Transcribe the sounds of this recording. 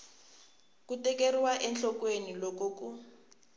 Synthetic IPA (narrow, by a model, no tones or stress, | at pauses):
kutɛkeriwaʔɛnɬɔkwenilokoːku